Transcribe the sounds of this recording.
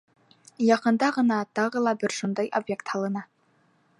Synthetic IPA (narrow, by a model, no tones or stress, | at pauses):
jɑqɤ̆nd̪ɑʁɤ̆nɑt̪ɑʁɤlˠɑbɘɾʃund̪ɑjʔobjekt̪hɑlˠɤ̆nɑ